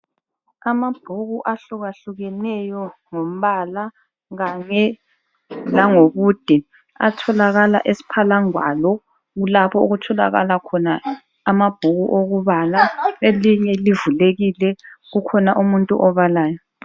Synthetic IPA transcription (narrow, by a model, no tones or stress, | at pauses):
amab̥ʱuɣuʔaɬuɣaɬuɣɛnɛjɔŋom̩βala | ɣaɲɛ | laŋoβuːd̥ʱi | a̰tʰɔlaɣala̰ʔesi̥pʰalaŋwa̰lɔ | ɣulapʰɔoɣutʰɔla̰ɣa̰lakʰɔnaː | mab̥ʱuɣuʔoɣuβalaeliɲɛlivuleɣilɛɣukʰɔnaʔumuntʼṵʔɔβalaːjɔ